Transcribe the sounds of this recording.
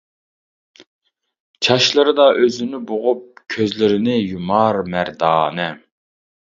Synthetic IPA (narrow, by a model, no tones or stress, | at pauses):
t͡ʃʰɑʃlˠɨɾɨd̪ɑʔøzynɪboʁʊp̚kʲʰøzlɪɾɪnɪjumɑɾmæɾd̪ɑːnɨ